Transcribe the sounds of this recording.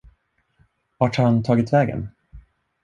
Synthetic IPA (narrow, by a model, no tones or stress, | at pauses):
vaʈhant̪ʰɑːɡɪt̪vɛːɡə̰n